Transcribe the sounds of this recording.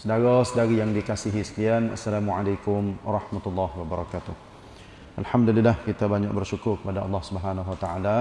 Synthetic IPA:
sədaɾɔsdaɾijaŋdikasiɦisə̥liana̰sːalamuʕalajkʊmwɑɾˤɑhmat̪ulːɑɦwabaɾˤɑkat̪ʊh | ʔalħamdulɪlːahkit̪abaɲak̚bərʃukʊrkəpadaʔɑ̰lːɑhsubəɦanawat̪aʕala

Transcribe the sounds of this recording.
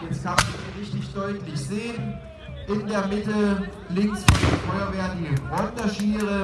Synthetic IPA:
jɛt͡stkʰamʁɪçtɪçd̥ɔʏtlɪçz̥eːən | ʔɪndeːɐmɪtə | lɪŋsfifɔʏɐveːɐtiɡʁɔndɐʃiːʁə

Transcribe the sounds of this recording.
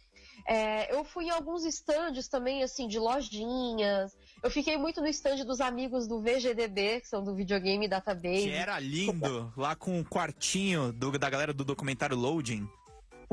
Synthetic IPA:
ɛewfujẽawɡũzist̪ɐ̃d͡ʒʊst̪ɐ̃mbẽj̃asĩd͡ʒɪlɔʒĩɲɐs | ewfikejmũj̃t̪ʊnʊist̪ɐ̃d͡ʒʊd̪ʊzamiɡʊzd̪ʊveʒed̪ed̪ekɪ̥sɐ̃w̃d̪ʊvid͡ʒioɡẽjmɪd̪at̪ɐbeɛɾɐlĩd̪ʊlakõʊkwaɾt͡ʃĩɲʊd̪ʊd̪ɐɡalɛɾɐd̪ʊd̪okumẽnt̪aɾjʊlowd͡ʒĩ

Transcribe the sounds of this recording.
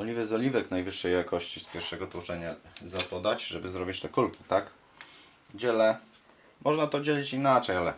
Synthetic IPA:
ɔlʲivɛzɔlʲivɛknajvɘʂːɛjjakɔɕt͡ɕispʲjɛɾfʂɛɡɔt̪wɔt͡ʂɛɲazapɔd̪at͡ɕʐɛbɘzɾɔbʲit͡ɕt̪ɛkulkʲi̥t̪ak | d͡ʑɛlɛ | mʔɔʐnat̪ɔd͡ʑelʲit͡ɕinat͡ʂɛjalɛ

